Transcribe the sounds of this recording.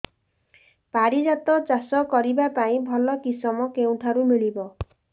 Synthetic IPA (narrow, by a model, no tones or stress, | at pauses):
paɾid͡ʒat̪ɔt͡ʃasɔkɔɾibapaĩbʱɔlɔkisɔmɔkeũʈʰaɾumiɭibɔ